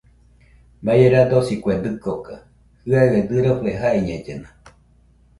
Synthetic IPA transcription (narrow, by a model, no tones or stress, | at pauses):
mbajeɾad̪osikʷed̪ɨkoka | hɨaɣed̪ɨɾopeɦaeɲẽd͡ʒena